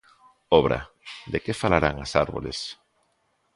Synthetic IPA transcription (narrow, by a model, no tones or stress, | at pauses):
ɔβɾa̰ | d̪ekefalaɾaŋasaɾβolḛs